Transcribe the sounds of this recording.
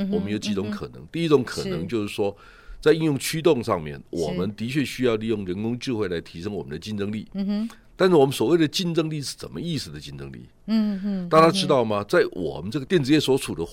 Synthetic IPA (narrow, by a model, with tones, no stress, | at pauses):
wwɔ˨˩mə˦njo˨˩ʊt͡ɕi˧˥t͡sʊ˧˥ŋkʰə˨˩nɤ̰˧˦ŋt̪i˥˧i˥t͡sʊ˧˥ŋkʰə˨˩˥nɤ̰˧˥ŋt͡ɕjo˥˧ʊʂɻ̩˥˩ʂwɔ˥ | t͡sa˥˧ɪi˥˧njʊ˥˩ŋt͡ɕʰy˥t̪ʊ˥˧ŋʂɑ̰˥˧ŋmjɛ̰˥˩nwʔɔ̰˨˩mə˦nt̪i˧˥t͡ɕʰɥɛ˥˧ɕy˥jɑ˥˧ʊli˥˧jʊ˥˩ŋɻə˧˦˥nkʊ˥ŋʈ͡ʂɻ̩˥˧xwe˥˩ɪla˧˥ɪt̪ʰi˧˥ʂɤ˥ŋwɔ˨˩mə˦nd̪ə˧t͡ɕi˥˩nt͡sɤ˥ŋlḭ˥˩t̪a˥˧nʂ̩˥˩wɔ˨˩mə˦nswɔ˨˩we˥˩ɪd̪ə˩t͡ɕi˥˧nʈ͡ʂə˥ŋli˥˧ʂɻ̩˥˩ʂə̰˨˩mə̰˦i˥˩s̩˨˩d̪ə˩t͡ɕi˥˧nt͡sɤ̰˥ŋlḭ˥˩ | t̪a˥˩t͡ɕa˥ʈ͡ʂɻ̩˥t̪ɑ˥˩ʊma˨t͡sa˥˩ɪwʔɔ̰˨˩mə˦nʈ͡ʂɤ˥˨ɡə˩t̪jɛ˥˩nʈ͡ʂɻ̩˧jɛ˥˩swɔ˧˥t͡sʰu˨˩d̪ə˦